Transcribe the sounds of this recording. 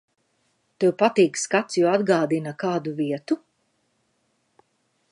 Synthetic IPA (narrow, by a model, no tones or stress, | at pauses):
t̪uwpat̪iːkskat̪sjuad̪ɡaːd̪inɐkaːd̪uviɛt̪u